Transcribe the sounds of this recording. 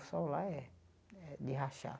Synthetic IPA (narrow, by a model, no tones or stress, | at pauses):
solaɛ | d̪iɦaʃa̰